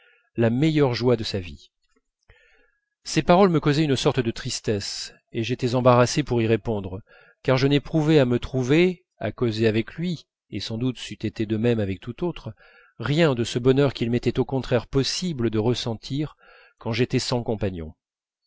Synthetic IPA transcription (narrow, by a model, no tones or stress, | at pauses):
lamejœʁʒwad̪əsavi | sepaʁɔlməkozɛynsɔʁt̪d̪ət̪χist̪ɛs | eʒet̪ɛzɑ̃baʁasepuʁiʁepɔ̃d̪ʁ | kaʁʒənepχuveamət̪χuve | a̰kozeavɛklɥi | esɑ̃d̪ut̪syt̪et̪ed̪əmɛmavɛk̚t̪ut̪ot̪χ | ʁjɛ̃d̪əsəbɔnœʁkʲilmet̪ɛt̪okɔ̃t̪χɛʁpɔsibləd̪əʁəsɑ̃t̪ʰiʁ | kɑ̃ʒet̪ɛsɑ̃kɔ̃paɲjɔ̰̃